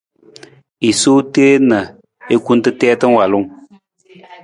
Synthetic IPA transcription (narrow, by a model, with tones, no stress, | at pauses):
i˨so˦te˦na˨ | e˦ku˦n˦tɨ˦tɛː˦tɨ˦ŋ˦wa˨lʊ˦ŋ